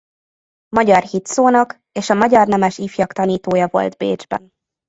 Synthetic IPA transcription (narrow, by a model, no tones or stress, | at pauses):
mɒɟɒrhit̪soːnɒk | eːʃɒmɒɟɒrnɛmɛʃiːfjɒkt̪ɒniːt̪oːjɒvo̞̰lt̪bḛːd͡ʒbɛ̰n